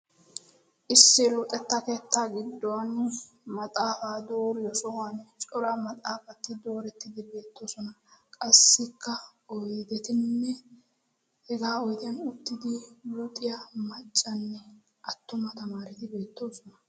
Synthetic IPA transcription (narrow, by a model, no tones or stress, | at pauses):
ʔɪsːɪlʊt̪ʼɛt̪ːɐkeːt̪ːaːɡɪd̪ːɔwɐn | mɐt̪ʼaːfaːd̪oːɾɪjɔsɔwant͡ʃʼɔɾaːmɐt̪ʼaːfɐt̪ːɪd̪o̞ːɾɛt̪ːɪd̪ɪbe̞ːt̪ːo̞ːsɔnɐkʼɐsːɪkːɐɔjd̪ɛt̪ɪnːɛ | hɛɡaːɔjt̪jɐnʊt̪ːɪd̪ɪlʊt̪ʼɪjamɐt͡ʃʼːɐnːɛ | ʔɐt̪ːʊmɐt̪ɐmaːɾɪt̪ɪbe̞ːt̪ːo̞ːsɔnɐ